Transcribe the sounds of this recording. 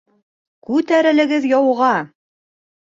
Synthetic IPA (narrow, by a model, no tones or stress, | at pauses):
kʉt̪æɾɘ̆lɘ̆ɡɘðjɑwʁɑ